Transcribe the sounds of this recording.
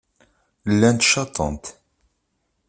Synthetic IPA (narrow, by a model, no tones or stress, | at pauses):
lːænt̪ʃɑt̪ˤə̰nt̪